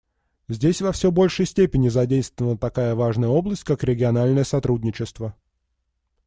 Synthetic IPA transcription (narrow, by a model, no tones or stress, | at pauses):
zʲdʲesʲvɐfsʲɵbo̞lʲʂɨjsʲtʲepʲɪnʲɪzɐdʲejst̪vəvənət̪ɐkajəvaʐnəjəo̞blˠəsʲt̚ʲkakɾʲɪɡʲɪɐnalʲnəjəsɐt̪ɾudʲnʲɪt͡ɕɪst̪və